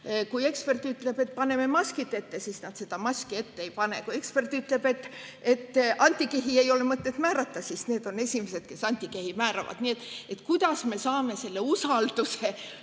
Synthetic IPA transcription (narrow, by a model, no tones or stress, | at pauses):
kuje̞kspe̞rt̪ˑyt̪le̞b̥e̞t̪̚pɑne̞memɑsʲkit̪ːˑe̞t̪ːe̞sisnɑd̪̥se̞d̪̥ɑmɑsʲkie̞t̪ːeejpɑne̞̰kuje̞kspe̞rt̪ːˑyt̪ˑle̞b̥e̞t̪ːˑ | e̞t̪ːɑnʲt̪ʲːikeɦie̞jo̞lemɤt̪ːˑet̪mæːɾɑt̪ːɑsisne̞ːd̪̥o̞ne̞sʲimese̞d̪̥̚ke̞sɑnʲt̪ʲːˑikehimæːɾɑ̰vɑ̰d̪̥nie̞t̪ːˑe̞t̪ːˑkujd̪̥ɑsme̞sɑːme̞se̞lːeusɑld̪̥use̞